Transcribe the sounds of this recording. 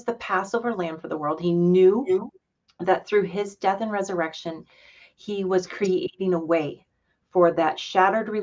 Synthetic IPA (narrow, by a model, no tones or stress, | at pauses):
zðɨpʰæsoʊvə˞læ̃ndfə˞ðəwɜ˞lˠd̚hinjʉ | ðɨt̪̚θɹʉɪzdɛθɨ̃nɹɛzə˞ɛkʃɨ̃n | iwʌz̥kʰɹ̥ieɪɾɪ̃ŋəweɪ | fə˞ðɨtʃæɾə˞d̚ɹi